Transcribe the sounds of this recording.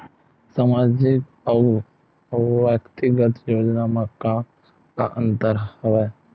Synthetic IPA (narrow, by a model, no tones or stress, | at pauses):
saːmaːd͡ʒɪk | ə | ʋəkt̪ɪɡət̪joːd͡ʒnaməkːa | ka̰ʔə̃nt̪əɾhəʋɛː